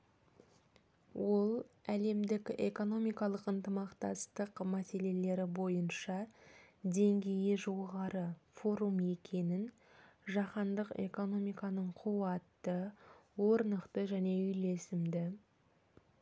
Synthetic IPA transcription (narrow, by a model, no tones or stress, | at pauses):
wo̞lˠæle̞md̪ɪkʲe̞̰ko̞no̞mijkɑlˠəqənt̪əmɑqt̪ɑ̰st̪əqmæse̞le̞le̞ɾɪbo̞jənʃɑ | d̪e̞ŋɡʲe̞jɪʒo̞ʁɑɾəfo̞ɾume̞kʲʰe̞nɪn | ʒɑqɑnd̪əqe̞̰ko̞no̞mijkɑnəɴqʰuɑt̪ːəwo̞ɾnəqt̪əʒæne̞ʏjle̞sɪmd̪ɪ